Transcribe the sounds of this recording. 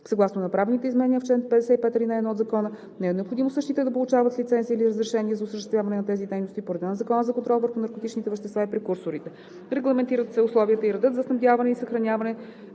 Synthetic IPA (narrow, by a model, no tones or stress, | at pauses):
sɐɡlˠasnonɐpɾavnit̪ɛizmɛnɛnijəft͡ʃɛnpɛd̪ɛsɛipɛt̪əɾinaɛd̪nɔd̪zɐkɔnə | nɛɛnɛopxod̪imosɤʃt̪it̪əd̪ɐpolˠʊt͡ʃavət̪lit̪sɛntziəːiliɾəzɾɛʃɛniəzɐʊsəʃt̪ɛst̪vʲjavɐnɛnɐt̪ɛzid̪ɛjnost̪ipoɾɛd̪ɛnzɐkɔnəzɐkont̪ɾɔlˠvəɾxʊnɐɾkot̪it͡ʃnit̪ɛvɛʃt̪ɛst̪vaipɾɛkuɾsʊɾit̪ɛ | ɾɛɡlˠɐmɛnt̪iɾət̪sɛʊslˠɔviət̪əiɾɐd̪ɤt̪zɐsnɐmd̪ʲjavɐnɛisɐxɾɐnʲavɐnɛ